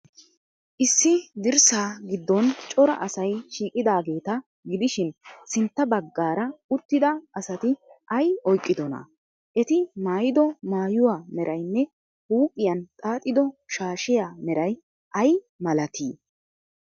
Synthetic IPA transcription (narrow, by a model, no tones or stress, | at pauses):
ʔɪsːɪd̪ɪɾsaːɡɪd̪ːɔnt͡ʃʼɔɾɐ̰ʔɐsɐjʃiːkʼɪd̪aːɡe̞ːt̪ɐ | ɡɪd̪ɪʃɪnsɪnt̪ːɐbɐɡːaːɾɐʊt̪ːɪd̪ɐʔɐsɐt̪ɪʔɐjɔjkʼːɪd̪ɔnɐ̰ | ʔɛt̪ɪmaːjɪd̪ɔmaːjʊwaːmɛɾʔɐjnːɛ | huːpʼɪjɐnt̪ʼaːt̪ʼːɪd̪ɔʃaːʃɪjaːmɛɾɐj | ʔɐj | mɐlɐt̪ʰḭː